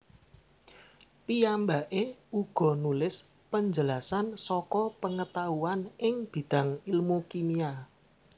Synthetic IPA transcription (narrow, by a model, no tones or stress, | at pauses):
pijambaʔeuɡ̥ɔ̤nulɪs | pəɲd͡ʒəlasansɔkɔpəŋət̪auanɪŋb̥i̤d̪̥a̤ŋilmukimia